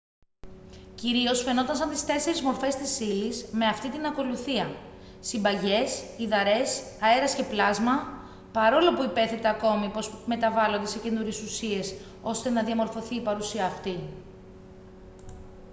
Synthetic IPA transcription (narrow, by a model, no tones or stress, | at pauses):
ciɾio̞sfe̞not̪ɐnsɐnt̪i̥st̪e̞se̞ɾizmo̞ɾfe̞st̪isilisme̞ɐft̪it̪inɐko̞luθiɐ | simbɐʝe̞siðɐɾe̞s | ɐe̞ɾɐsce̞plɐzmɐ | pɐɾo̞lo̞puipe̞θe̞t̪eɐko̞mipo̞sme̞t̪ɐvɐlo̞nd̪e̞se̞ce̞nuɾesusie̞s | o̞st̪e̞nɐðiɐmo̞ɾfo̞θiːpɐɾusiɐːft̪i